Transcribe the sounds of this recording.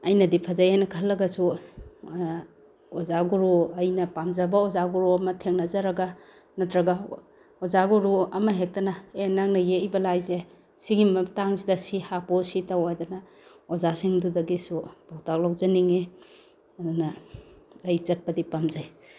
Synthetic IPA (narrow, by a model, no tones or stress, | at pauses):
ɐjnɐdipʰazajajnɐkʰɐlːɐɡasu | ɔzaɡuɾoɐjnɐpamzabɐɔzaɡuɾoɐmɐtʰeŋnazaɾɐɡa | nɐtɾɐɡa | ɔzaɡuɾuɐmɐɦek̚tɐnaenːaŋnɐjejbɐlajze | siɡimɐtaŋsidɐsihapɔsitawajdana | ɔzasiŋdudɐɡisub̥awtak̚lawzaniŋe | dana | lajt͡ʃɐt̚pɐdipamzaj